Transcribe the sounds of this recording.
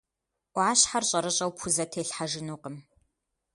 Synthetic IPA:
ʕaːɕħarɕʼɐɾɨɕʼɐwpʰʊzɐtʰeːɬħaʒɨnuːqəm

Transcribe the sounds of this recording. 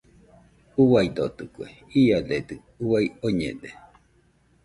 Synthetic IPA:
uwajd̪ot̪ɯkue | iaded̪ɨ | uwajoɲḛd̪e

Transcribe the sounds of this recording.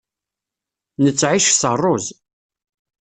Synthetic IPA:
nət͡sːʕiʃsərˤːoz

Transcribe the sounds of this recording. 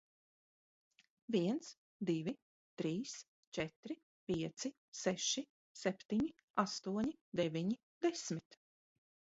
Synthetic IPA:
viɛnt̪s | d̪ivi | t̪ɾiːs | t͡ʃɛt̪ɾi | pʲiɛt̪si | sɛʃi | sɛpʲt̪iɲi | ast̪uɔɲid̪ɛvʲiɲi | d̪ɛsmit̪

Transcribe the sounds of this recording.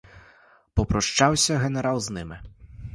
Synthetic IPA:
pɔpɾɔʂt͡ʂawsʲɐɣɛnɛɾawˠznɪmɪ

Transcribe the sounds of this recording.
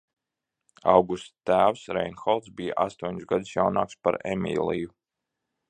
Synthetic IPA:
a̰wɡust̪t̪æːwsɾɛjnxɔlˠt̪sbijaʔast̪uɔɲsɡad̪usjawna̰ːkspa̰ɾḛmḭːlˠiju

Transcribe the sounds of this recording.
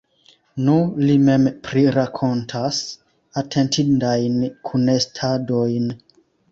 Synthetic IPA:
nulimempɾiɾakʰo̞ntʰas | atʰentʰindajnkʰunestʰadojn

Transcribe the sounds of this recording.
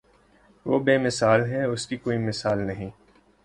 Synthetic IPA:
ʋoːbeːmɪsaːlɦɛʊskikoːimɪsaːlnɐɦĩː

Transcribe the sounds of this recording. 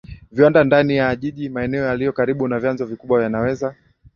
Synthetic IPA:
viwandandanijaːʄiʄimaɛnɛɔjalijɔkaɾiɓunavjanzɔvikuɓwavjanawɛza

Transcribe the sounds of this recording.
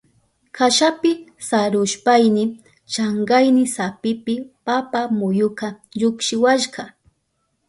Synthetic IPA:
kaʃapɪsaɾʊʃpajnɪ | t͡ʃaɴɢajnɪsapɪpɪpapamʊjʊkɑʎʊkʃɪwaʃɢɑ

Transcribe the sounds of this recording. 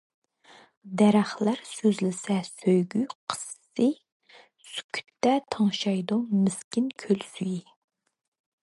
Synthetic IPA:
d̪ɛɾæχlæɾsøzlɪsɛsøjɡʲyqʰə̥sːɨ | sy̥kʲʰy̥t̪ːɛt̪ʰɑŋʃɑjd̪umɪskʲɪnkʲʰølsyji

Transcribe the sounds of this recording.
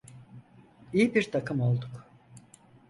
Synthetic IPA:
ijibiɾt̪ʰakʰɯmo̞lˠd̪uk

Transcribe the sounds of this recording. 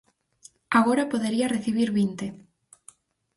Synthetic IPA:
aɣ̞oɾapoðeɾiareθiβiɾβint̪e

